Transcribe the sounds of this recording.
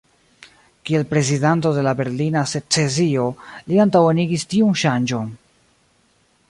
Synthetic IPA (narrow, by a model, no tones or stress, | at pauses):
kie̞lpɾe̞zidant̬o̞de̞labe̞ɾlinase̞t͡se̞zio̞liantaweniɡistiunʃand͡ʒo̞n